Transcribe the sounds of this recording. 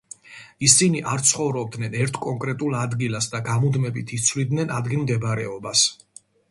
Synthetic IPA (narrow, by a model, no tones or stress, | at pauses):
isiniʔaɾt̪sʰχɔvɾɔb̚d̪nɛnɛɾt̪ʰkʼɔŋkʼɾɛt̪ʼulˠad̪ɡilˠasd̪aɡamud̪mɛbit̪ʰit̪sʰvlid̪nɛnad̪ɡilˠmd̪ɛbɾɛɔbas